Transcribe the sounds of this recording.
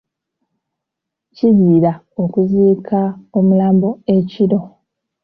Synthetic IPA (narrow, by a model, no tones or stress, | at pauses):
ciziːɾa | o̞kuziːkʰaomulaːmboeciɾo̞